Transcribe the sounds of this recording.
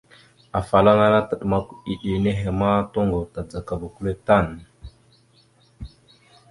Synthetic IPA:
a˨fa˨la˦na˦na˦tə˨ɗma˦ku˦i˨ɗi˨ne˦ɦe˨ma˦to˦ŋɡo˨ta˨d͡za˨ka˨ba˨ku˦le˦ta˦˨n

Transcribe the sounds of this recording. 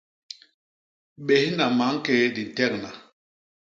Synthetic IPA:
ɓɛ˨hi˦na˨ma˨˦ŋ˦kɛː˦di˨n̩˨tɛ˦˨k̚na˨

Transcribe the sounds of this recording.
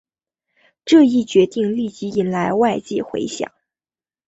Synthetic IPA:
ʈ͡ʂɤ˥˧i˥˩t͡ɕɥɛ˧˥t̪i˥˧ŋli˥˩t͡ɕi˧˥i˨˩nla˧˥ɪwa˥˧ɪt͡ɕjɛ˥˩xwḛ˧˥ɪɕjɑ̰˨˩˦ŋ

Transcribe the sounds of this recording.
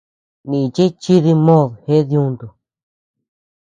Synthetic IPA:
nĩ˨t͡ʃi˦t͡ʃi˦ði˧mõ˦˨ðhe˦ðjũ˧nd̪u˨

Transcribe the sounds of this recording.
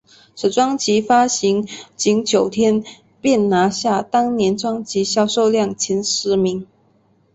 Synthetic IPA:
ʂ̩˨˩ʈ͡ʂwɑ˥ŋt͡ɕi˧˥fa˥ɕi˧˥ŋt͡ɕi˧˥ŋt͡ɕjo˨˩ʊt̪ʰjɛ˥n | pjɛ˥˩nna˧˥ɕja˥˩t̪ɑ˥ŋnjɛ˧˥nʈ͡ʂwɑ˥ŋt͡ɕi˧˥ɕjɑ˥˧ʊʂo˥˧ʊljɑ˥˩ŋt͡ɕʰɛ˧˥nʂɻ̩˧˥mi˧˥ŋ

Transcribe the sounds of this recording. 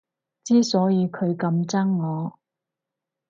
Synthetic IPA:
t͡siː˥sɔː˨˥jiː˨˧kʰɵ˨˧ɥkɐ˧mt͡sɐ˥ŋːɔː˨˧

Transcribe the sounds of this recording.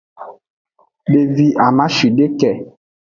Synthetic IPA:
be˨vi˨ʔa˨mã˦ʃi˨ɖe˦kɛ˨

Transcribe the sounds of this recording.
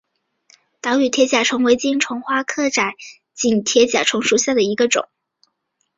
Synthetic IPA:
t̪ɑ˧˥ʊy˨˩t̪ʰjɛ˧˥t͡ɕja˨˩ʈ͡ʂʰʊ˧˥ŋwe˧˥ɪt͡ɕi˥˩nʈ͡ʂʰʊ˧˥ŋxwa˥kʰɤ˥˩ʈ͡ʂa˨˩˦ɪ | t͡ɕi˨˩nt̪ʰjɛ˧˥t͡ɕja̰˨˩ʈ͡ʂʰʊ˧˥ŋʂu˧˥ɕja˥˩d̪ə˩i˧˥ɡə˧ʈ͡ʂʊ̰˨˩˦ŋ

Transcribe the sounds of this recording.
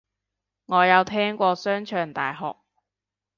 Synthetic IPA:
ŋɔː˨˧jɐ˨˧wt̪ʰɛː˥ŋkʷɔː˧sœː˥ŋt͡ʃʰœː˨˧ŋt̪a̰ː˨jɦɔ̰ː˨k̚

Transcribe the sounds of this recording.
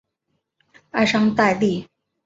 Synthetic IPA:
a˥˩ɪʂɑ˥ŋt̪a˥˧ɪli˥˩

